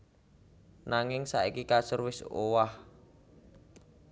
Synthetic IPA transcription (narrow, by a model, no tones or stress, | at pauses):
naŋɪŋsa̰ʔikikasərwɪso̰wah